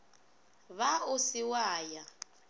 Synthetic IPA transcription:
βaʊsɪwaːja

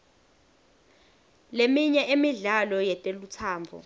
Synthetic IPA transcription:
lemiɲɛʔemiɮalɔjɛtʼelut͡sʰaːmbʱɔ̰

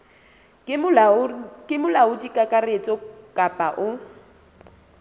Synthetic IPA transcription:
kʼɪmʊlaʊdikʼakʼaret͡sʼɔkʼapʼaʔʊ

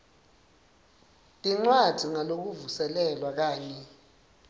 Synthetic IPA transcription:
tʼiŋ͡ǀwad̥ʱiŋalok̬uvusɛlɛlwak̬aːɲɛ

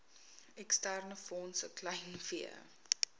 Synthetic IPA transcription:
ɛkstærnəfɔnsəklɐjnfiə̰

